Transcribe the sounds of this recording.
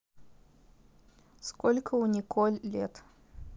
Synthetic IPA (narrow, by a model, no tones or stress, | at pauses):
skolʲkʰəunʲɪkʰolʲlʲet̪